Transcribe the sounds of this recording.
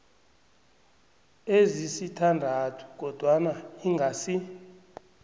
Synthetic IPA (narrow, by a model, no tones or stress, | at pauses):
ezisitʰandʱatʰu̥k̬ʼɔd̥ʱwanaiŋɡʱasi